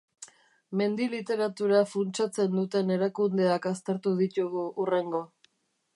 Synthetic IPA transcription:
me̞nd̪ilit̪e̞ɾat̪uɾafunt͡ʃat͡se̞nd̪ut̪e̞ne̞ɾakund̪e̞akast̪e̞ɾt̪uð̞it̪uɣuure̞ŋɡo̞

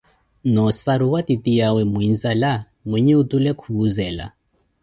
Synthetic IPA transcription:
nɔsaɾuwatitʼijawɛmuinzala | mwiɲiutulɛkʰuːzɛːla̰

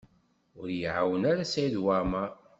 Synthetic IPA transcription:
ʊɾjəʕawənaɾasæjiðwama

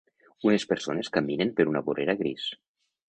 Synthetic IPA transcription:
unespeɾsoneskaminempeɾunaβoreɾaɣɾis

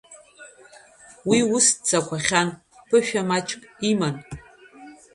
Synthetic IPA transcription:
wiust͡sʰakʷʰaχʲan | pʰɨʃᶣamat͡ʃʰʼkʼiman

